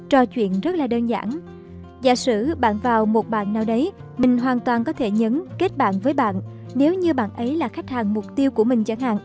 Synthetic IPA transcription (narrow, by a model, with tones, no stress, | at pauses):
t͡ɕɔ˧t͡ɕwḭ˧˨ənzə˦˥t̚laː˨˩ɗəː˧nza̰ː˧˩n | za̰ː˧˩sɨ̰˧˩ɓa̰ː˧˨nvaː˨˩wmo˨˩t̚ɓa̰ː˧˨nːaː˨˩wɗə˨˦j | mï˨˩ŋ̟ɦwaː˨˩nt̪waː˨˩nkɔ˨˦t̪ʰe˧˩ɲə˨˦nke˦˥t̚ɓa̰ː˧˨nvəː˨˦jɓa̰ː˧˨nː | e˨˦wɲɨ˧ɓa̰ː˧˨nʔə˨˦jlaː˨˩xa˦˥k̚haː˨˩nmʊ˨˩k͡p̚t̪i˧əwku˧˩əmï˨˩ŋ̟t͡ɕa˧˩nha̰ː˧˨ŋ